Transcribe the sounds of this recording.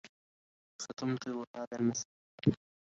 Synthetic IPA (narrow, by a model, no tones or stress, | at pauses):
sat̪ʊmt̪ˤɨɾwhaːðalmasaː